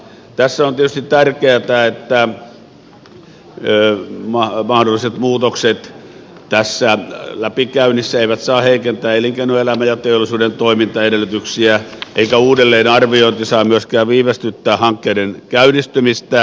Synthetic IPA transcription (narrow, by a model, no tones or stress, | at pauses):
t̪æsːæont̪iet̪yst̪it̪ærkeæt̪æet̪ːæ | mɑmɑhdolːˑiset̪muːt̪okset̪ | t̪æsːælæpikæynisːæeiʋæt̪sɑːheikent̪æːeliŋkeinuelæmæjɑt̪eolːˑisuːdent̪oimint̪ɑedelːˑyt̪yksiæʔeikæuːdelːeːnɑrʋioˑint̪isɑːmyøskæːʋiːʋest̪yt̪ːæːhɑŋkːeiɾenkæynist̪ymist̪æ